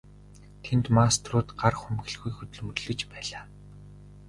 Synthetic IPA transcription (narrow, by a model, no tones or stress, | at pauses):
t̪ʰent̪mast̪rʊːt̪ɢarχɵmɣɘ̆ɮɣujxɵt̪ɵ̆ɮmɵrɮɵ̆t͡ɕpæːɮaː